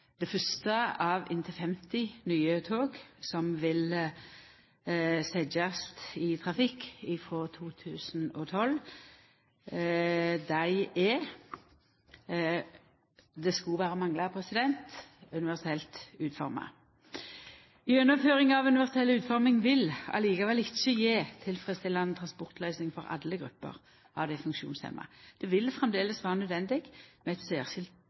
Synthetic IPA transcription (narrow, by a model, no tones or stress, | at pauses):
d̪̥ɛfœst̪əɑːʋɪ̰nt̪ʰəfɛmt̪ɪnyːət̪ʰoːɡsɔmʋɪl | sɛd͡ʒəst̪ɪt̪ʰʁɑfɪkːɪfɾoːt̪ʰuːt̪ʰʉːsn̩ɔːt̪ʰɔl | d̪æɪɛː | d̪ɛskuʋæːɾəmɑŋlɑpʰɾɛsɪd̪ɛnt̪ʉnɪʋæʁsɛlt̪ʉːt̪fɔ̰ʁmɑ̰ | ɪœnːəmføːʁɪŋɑʋʉnɪʋæʁsɛlʉːt̪fɔʁmɪŋʋɪlɑ̰liːɡɑʋɛlɪçːəjeːt̪ʰɪlfʁɛst̪ɪlːɑnnt̪ʰʁɑnspɔʁt̪lœʏsnɪŋfɔɾɑ̰lːəɡʁʉpːə̰ʁ | ɑ̰ʋd̪ɛfʉŋkʃṵːnsḛːmʔɑ̰d̪̥ɛʋɪlfʁɛmd̪eːləsʋæːʁənœd̪ʋɛnd̪ɪɡmɛɛt̪seːʁʃɪlt̪